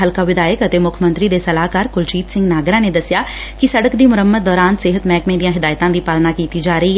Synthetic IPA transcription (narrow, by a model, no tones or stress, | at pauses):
ɦəlkaːʋɪd̪aːjəkət̪eːmʊkʰmənt̪ɾiːd̪eːsəlaːkaːɾkʊlt͡ʃiːt̪sɪ̃ŋɡnaːɡɾãːneːd̪əsjaː | kɪsəɽəkd̪iːmʊɾəmːəd̪̚d̪ɔːɾaːnsɪɦət̪mɛːkmẽːd̪ijãːɦɪd̪aːjt̪ãːd̪iːpaːlnaːkiːt̪iːd͡ʒaːɾəiɛ